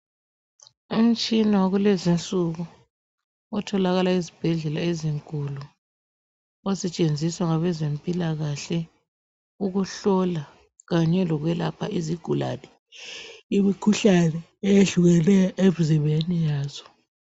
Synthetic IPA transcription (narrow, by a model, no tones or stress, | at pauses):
um̩t͡ʃʼinawoɣulɛzint͡sʼuɣu | ɔtʰɔlaɣalaizib̥ʱɛɮɛlaeziŋkʼulu | ɔsɛt͡ʃʼend͡zʱiswaŋaβɛzempʼilaɣaɬɛ | uɣuɬɔla | ɣaɲɛlɔɣwɛla̰pʰa̰ʔiziɡ̥ʱula̰nɛ | imikʰuɬanɛ | ejeɮuɣɛnɛʔeβuziβenijaːzɔ̥